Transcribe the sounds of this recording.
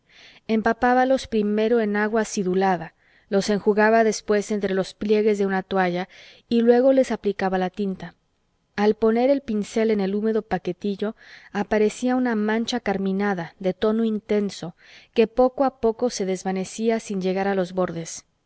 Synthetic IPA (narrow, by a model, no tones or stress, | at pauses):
empapaβalo̞spɾime̞ɾo̞e̞naɣwasiðulaða | lo̞se̞ŋxuɣaβaðe̞spwe̞se̞nt̪ɾe̞lo̞splje̞ɣe̞zðe̞unat̪oaʝa | ilwe̞ɣo̞le̞saplikaβalat̪int̪a | alpo̞ne̞ɾe̞lpinse̞le̞ne̞lume̞ðo̞pake̞t̪iʝo̞apaɾe̞siaunamãnt͡ʃakaɾmĩnaðaðe̞t̪o̞no̞int̪e̞nso̞ | ke̞po̞ko̞apo̞ko̞se̞ðe̞zβane̞siasinʝe̞ɣaɾalo̞zβo̞ɾðe̞s